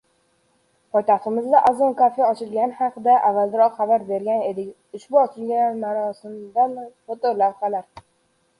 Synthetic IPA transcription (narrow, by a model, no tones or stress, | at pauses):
pʰɒjt̪ʰɑχt̪ɪmɪzd̪aʔazonkʰafejaɒt͡ʃʰɪlɡʲanɪhɑqɨd̪aʔavːalˠd̪ɪɾɒqχɑbaɾbe̞ɾɡʲane̞d̪ɪkʲ | ʊʃbʊɒt͡ʃʰɪlɡʲanmaɾɒsɪmd̪anhot̪oɾlawqʰɑlaɾ